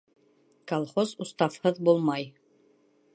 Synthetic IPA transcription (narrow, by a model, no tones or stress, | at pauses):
kɐlˠχozust̪ɑfhɤðbulˠmɑj